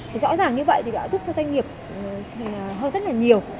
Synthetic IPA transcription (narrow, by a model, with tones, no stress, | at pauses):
zɔ̰˧˥zaː˨˩ŋɲɨ˧və̰˧˨t̪i˨˩ɗa̰ː˧˥zu˦˥p̚t͡ɕɔ˧zwa˧jŋ̟ŋi˨˩əp̚ː | ɦəː˧nzə˦˥t̚laː˨˩ɲi˨˩əw